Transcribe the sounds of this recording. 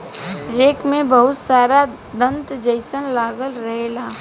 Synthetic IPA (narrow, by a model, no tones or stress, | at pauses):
ɾeːkmẽbɐɦʊt̪saːɾa | d̪ə̃nt̪d͡ʒəɪsənlaːɡəlɾɐɦeːlaː